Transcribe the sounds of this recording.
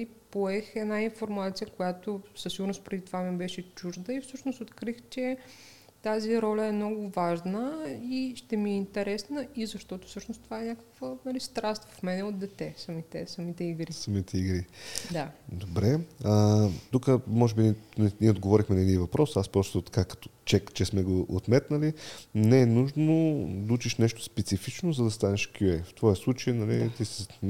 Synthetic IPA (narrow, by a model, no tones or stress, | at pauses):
ipoɛxɛnainfoɾmat̪sijəkojat̪osəsiɡuʊɾnospɾɛd̪it̪ovamibɛʃɛt͡ʃuʒd̪əifsɤʃnosot̪kɾixt͡ʃɛ | t̪aziɾɔlʲəɛmnɔɡʊvaʒnəiʃt̪ɛmiɛint̪ɛɾɛsnəizɐʃt̪ɔt̪ʊ̥fsɤʃnost̪ovaɛnʲakə̥kvənɐlist̪ɾast̪vɐfmɛnɛod̪̚d̪ɛt̪ɛsɐmit̪ɛ̰sɐmit̪ɛiɡɾisɐmit̪ɛiɡɾid̪ad̪obɾɛət̪ukəmɔʒɛbinɛnɛnʲiɛod̪ɡovɔɾixmɛnɐɛd̪invɐpɾɔsaspɾɔst̪ot̪ɐ̥kakɐ̥t̪ɔ̥t͡ʃɛkt͡ʃɛsmɛɡoʔot̪mɛt̪nəlinɛːnuʒnod̪ɐut͡ʃiʃnɛʃt̪o̥spɛt̪sifit͡ʃnozɐd̪ɐst̪anɛʃkʰʲjuɛft̪vɔjɛslˠut͡ʃəjnɐlḭt̪isi